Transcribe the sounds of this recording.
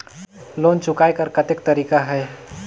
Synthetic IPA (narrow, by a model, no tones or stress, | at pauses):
loːnt͡ʃʊkaːjkəɾkət̪ek̚t̪əɾiːkaɦɛː